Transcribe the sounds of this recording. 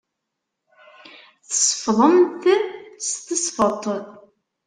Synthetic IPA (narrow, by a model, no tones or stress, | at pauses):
θə̥sˤfðˤəmθəðst̪əsfət̪ˤːəð